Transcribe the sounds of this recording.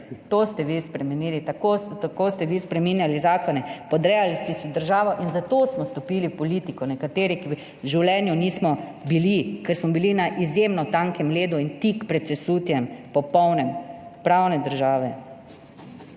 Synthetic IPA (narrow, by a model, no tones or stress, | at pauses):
t̪ost̪ɛʋispɾɛmɛniːlit̪akot̪akost̪ɛʋispɾɛminjalizaːkɔnɛpɔd̪ɾɛjalist̪ɛsɛd̪əɾʒaːʋɔʔinzat̪osmɔst̪ɔpilipɔlit̪ikɔnɛkat̪eːɾiki | ʒiwlɛːnjuniːsmɔbilikɛɾsmɔbilinaʔizjemnɔt̪aŋkɛmleːd̪uint̪ikpɾɛt̪sɛsuːt̪jɛmpɔpɔwnɛmpɾawnɛd̪əɾʒaːʋɛ